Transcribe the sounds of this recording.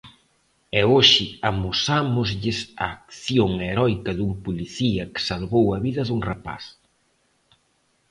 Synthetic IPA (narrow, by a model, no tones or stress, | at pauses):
ɛoʃɪamusamʊzʎɪsa̰ːk̚θjoŋeɾɔjkɐðumpuliθiɐkɪ̥salβowɐβiðɐðuŋrapa̰s